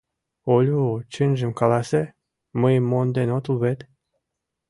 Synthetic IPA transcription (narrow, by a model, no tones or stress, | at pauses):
olʲot͡ɕɘnʲʒə̆mkɑlɑse | məjmːond̪enot̪uβet̪